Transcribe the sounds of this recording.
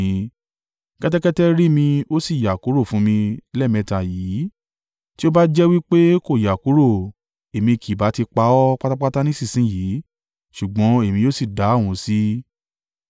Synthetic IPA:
kɛ˦tɛ˦kɛ˦tɛ˦ɾi˦mĩ˧o˦si˦˨ja˨ku˨˦ɾo˦˨fũ˨˦mĩ˧lɛ˦˨mɛ̃˧ta˨jiː˨˦ | ti˦o˦ba˦d͡ʒɛ˦wi˦k͡pe˦ko˦˨ja˨ku˨˦ɾo˦˨ | e˨mĩ˧kʰi˨ba˨˦ti˧k͡pa˧˦ɔ˦k͡pa˦ta˦k͡pa˦ta˦nĩ˦si˦˨sĩ˨˦ji˨˦ | ʃu˨ɡ͡bɔ̃˨˦e˦˨mĩ˧jo˦si˦˨da˨˦˨wũ˨˧˦si˦

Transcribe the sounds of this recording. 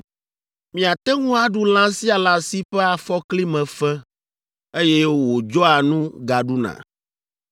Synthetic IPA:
mĩ˨a˨t̪ɛ˦ŋũ˦a˦ɖu˦lã˦si˦a˨la˦si˦ɸɛ˦a˨fɔ˦kli˦mɛ̃˨fɛ˦ | e˦jɛ˦wo˦wo˨d͡ʒɔ˦a˨nũ˦ɡa˨ɖu˦nã̰˨

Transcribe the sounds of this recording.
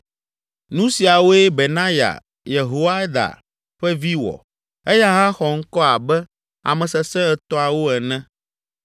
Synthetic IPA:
nũ˦si˨a˨wo˦ɛ˦be˨nã˦ja̰˨ | je˨ɦo˦wa˦d̪a̰˨ | ɸɛ˦vi˦wɔ̰˨ | ɛ˦ja˦ɦã˦xɔ˨ŋ̩˦kɔ˦a˨bɛ˦ | a̰˨mɛ̃˨sɛ˨sɛ̃˦ɛ˨t̪ɔ˦a˨wo˦ɛ˨nɛ̃˦

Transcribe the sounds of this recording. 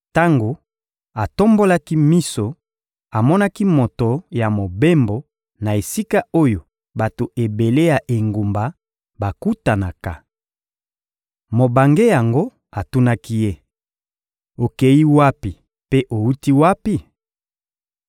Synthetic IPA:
ta˦ŋɡo˨ | a˨to˦mbo˦la˦ki˦mi˦so˨ | a˨mɔ˦na˦ki˦mo˨to˨ja˨mo˨be˦mbo˨ | na˨e˨si˦ka˦o˦jo˨ | ba˨to˨ʔe˨be˨le˦ja˨ʔe˨ŋɡu˨mba˨ | ba˨ku˦ta˨na˨ka̰˨ | mo˨ba˨ŋɡe˦ja˨ŋɡo˦ | a˨tu˦na˦ki˦je˦ | o˨ke˨ji˦wa˦pi˨ | pe˦ʔo˨u˦ti˦wa˦pi˦˨

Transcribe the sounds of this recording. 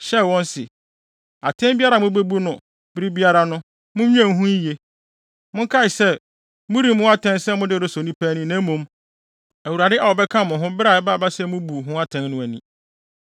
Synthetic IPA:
ɕɛ˦˨wɔ̃˦nsɪ˨ | a˨tʰɛ̃˦mbi˦a˦ɾa˨mʊ̃˦be˦bu˦nʊ̃˨ | bɪ˦ɾi˦bi˦a˦ɾa˦nʊ̃˦ | mʊ̃˦ɲᶣ˦ɛ̃˦˨ŋ˦ɦũ˦je˦ | mʊ̃˦kʰa˦ɪ˨sɛ˦˨ | mʊ̃˦ɾi˨mʊ̃˦a˦tʰɛ̃˦nsɛ˦mʊ̃˦dɪ˦˨ɾʊ˦sɔ˨nĩ˦pʰæ˦nĩ˦nã˨˦mũ˦m | æ˨wu˨ɾa˨dɪ˦ʔa˨wɔ˨bɛ˦kʰã˦mʊ̃˨ɦʊ̃˦bɪ˦ɾa˨ɛ˦ba˦˨ba˦sɛ˦mʊ̃˦bu˨ɦʊ̃˦a˦tʰɛ̃˦n˦nʊ̃˦æ˨nĩ˨

